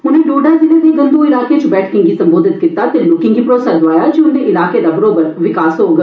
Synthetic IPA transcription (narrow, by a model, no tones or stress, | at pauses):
ʊnẽːɖoːɖaːd͡ʒɪnẽːd̪eːɡənd̪uːɪlaːket͡ʃbɛːʈʰkɪ̃ŋɡiːsəmboːd̪ʱɪt̪kɪt̪aːt̪elʊkɪ̃ŋɡipɾoːsad̪ʊʋaːjaːd͡ʒiʊnẽːʔɪlaːkeːd̪aːbəɾoːbəɾʋɪkaːsɦoːɡə